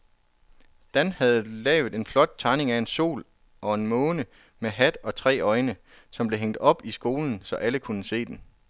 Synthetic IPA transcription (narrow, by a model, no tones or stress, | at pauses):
d̥ænhæð̞̩ˠlɛ̰ːʊð̩ˠe̝nflɒ̽d̥̚t͡sʰɑ̈ɪne̝ŋæe̝nso̝̰ːl | ɒ̽e̝nmɔ̽ːnə | meɦæd̥ɒ̽t͡sʰʁɛ̰ːɒ̽ɪnə | sɒ̽mb̥le̝ɦeŋ̰d̥ɒ̽b̥isɡ̥o̝ːln̩sɒ̽ʔæləkʰunəse̝̰ːd̥en